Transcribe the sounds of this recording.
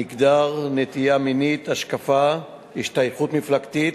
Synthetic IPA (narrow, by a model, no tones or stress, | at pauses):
iɡd̪aʁnet̪ijaminit̪aʃkafa | hiʃt̪ajχut̪miflakt̪it̪